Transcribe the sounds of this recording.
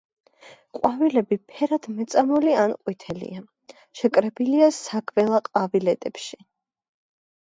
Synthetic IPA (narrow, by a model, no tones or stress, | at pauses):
qʼwavilɛbipʰɛɾad̪̥mɛt̪sʼamɔlianqʼwit̪ʰɛlḭa | ʃɛkʼɾɛbiliasakʰvɛlˠaqʼavilɛt̪ʼɛpʃi̥